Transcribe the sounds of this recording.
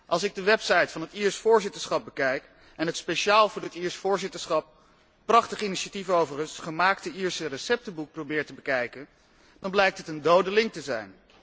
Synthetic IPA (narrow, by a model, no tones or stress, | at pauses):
ʔɑlˠsɪɡ̚dəʋɛpsɑjtfɑnɦətiːɹsfʊːɹzɪtəɹsχɑp̚bəkɛjk | ɛnɦətspejʃaːlˠvʊːɹətiːɹsfʊːɹzɪtəɹsχɑp̚ | pːrɑχtəχəiniʃatifəowvərəsχəmaːktəiɹsərəsɛp̚təbuk̚prowbɪːɹtəbəkɛjkən | dɑnblɛjk̚tɦətəndowdəlɪŋk̚təzɛjn